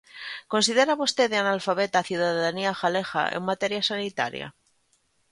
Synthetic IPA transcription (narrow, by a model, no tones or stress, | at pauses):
ko̞nsið̞eɾaβost̪eðeanalfaβet̪aθjuðaðaðaniaxalexa̰ʔḛŋmat̪eɾjasanit̪a̰ɾja̰